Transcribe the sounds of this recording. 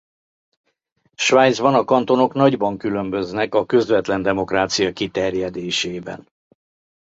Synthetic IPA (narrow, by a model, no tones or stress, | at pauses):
ʃʋaːjd̪zbɒnɒkɒnt̪o̞no̞kn̪ɒɟbɒŋkylø̞mbø̞znɛkɒkøzvɛt̪lɛnd̪ɛmo̞kraːt̪sijɒkit̪ɛrjɛd̪eːʃeːbɛ̰n